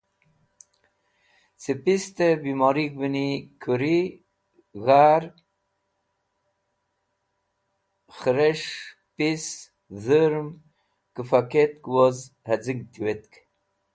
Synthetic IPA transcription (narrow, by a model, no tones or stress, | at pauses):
t͡sipist̪ebimɑɾik̚binikʰuɾi | ɣaɾ | xəɾeʂ | pis | zəɾm | kəfaket̪̚kwoz | had͡ziŋɡ̚t̪ʰiwet̪k